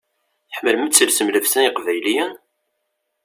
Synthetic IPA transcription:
θəħməlmət͡sːəlsəmləfsæniqvæjlijæ

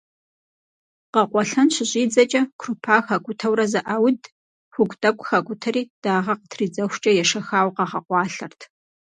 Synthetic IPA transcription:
qɐqʷɔɬɐnɕɪɕʼiːd͡zɐt͡ʃʼɐkʷʰrupʰaːxɐɡʷʼʊtʰɐwrɐzɐʔawd | xʷʊɡʷtʼɐkʷʼxɐɡʷʊtʰɐriːd̥aːʁɐqətʰriːd͡zɐxʷt͡ʃʼɐjɛʂɐxaːwqɑʁɐqʷɑːɬɐrtʰ

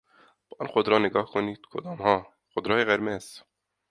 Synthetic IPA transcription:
bɑnxʊd̪ɾɑːnɪɡɑːhkʰʊnit̪kʰod̪ɑːmhɑː | xʊd̪ɾɑːeɣɛɾmɛs

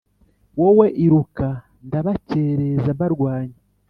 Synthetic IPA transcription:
woweʔiɾuka | ndaβaceɾezaβaɾɡwaːɲe

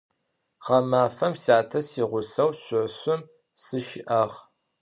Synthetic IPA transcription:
ʁɐmaːfɐmsiaːtʰɐsiːʁʷʊsɐwɕʷʼʊʕɕʊm | sɨʃɪʔɐʁ

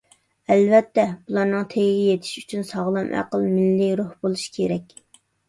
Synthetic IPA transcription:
ɛlvɛt̪ʰːɛb̥ulˠɑɾnɨŋt̪ʰeɡʲiɡʲɛjet̪ʰɪ̥ʃy̥t͡ʃʰynsɑʁlˠɑmʔæ̰qəlˠmɪlːɪɾohb̥olˠuʃkʲʰeɾɛkʲ

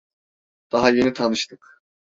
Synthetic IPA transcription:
d̪̥aɦaje̞nit̪ʰanɯʃt̪ʰɯk

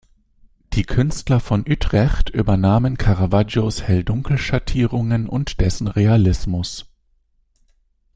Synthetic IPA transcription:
d̥iːkʰʏnstlɐfɔnʔytʁ̥ɛçtʔy̰ːbɐnaːmənkʰaʁavad͡ʒoshɛldʊŋkl̩ʃatʰiːʁʊŋənʔʊ̰ntd̥ɛsn̩ʁealɪsmʊs

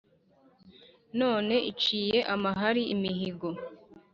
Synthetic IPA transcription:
no̞ːne̞ʔit͡ʃiːje̞ʔamaɦaɾiimiɦiɡo̞

